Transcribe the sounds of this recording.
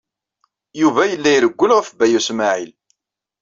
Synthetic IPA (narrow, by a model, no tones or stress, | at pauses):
juvæjəlːæjɾəɡʷːəlʁəfbæjusmaʕil